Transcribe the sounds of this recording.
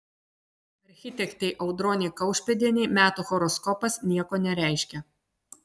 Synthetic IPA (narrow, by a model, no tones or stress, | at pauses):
ɐɾʲxʲɪt̪ʲɛkt̪ʲɛɪʔɐʊd̪ɾɔːnʲɛɪkɐʊʃʲpʲɛd̪ʲinʲɛɪmʲæːt̪uːxɔɾɔskɔpɐsnʲiɛkoːnʲɛɾʲæˑɪʃʲkʲɛ